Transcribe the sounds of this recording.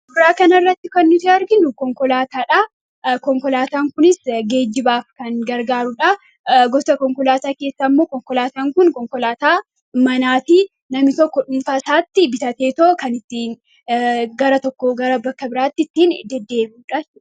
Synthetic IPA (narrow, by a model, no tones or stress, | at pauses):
bɪɾaːkɐnɐrːɐt̪ːɪkɐnːʊt̪iɐɾɡɪnːʊkɔŋkɔlaːt̪aːᶑɐ | kɔŋkɔlaːt̪aːŋkʊnɪsɡe̞ːd͡ʒːɪbaːfkɐnɡɐɾɡaːɾʊᶑɐ | ɡɔsɐkɔŋkɔlaːt̪aːke̞ːsːamːo̞ːkɔŋkɔlaːt̪aːŋkʊnkɔŋkɔlaːt̪aː | mɐnaːt̪i | nɐmɪt̪ɔkːɔᶑʊnfaːsaːt̪ːɪbɪt̪ɐt̪eːt̪oːkɐnɪt̪ːiːn | ɡɐɾɐt̪ɔkːɔɡɐɾɐbɐkːɐbɪɾaːt̪ːɪɪt̪ːiːnd̪ɛd̪ːe̞ːbuᶑɐt͡ʃ